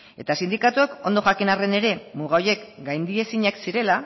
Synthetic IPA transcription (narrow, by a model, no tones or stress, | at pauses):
e̞̰t̪asind̪ikat̪uako̞nd̪o̞ʝakinare̞ne̞ɾe̞muɣ̞ao̞je̞kɡajnd̪ie̞siɲaksiɾe̞la